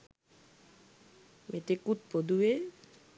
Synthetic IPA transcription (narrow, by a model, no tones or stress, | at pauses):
met̪ekut̪̚pod̪ue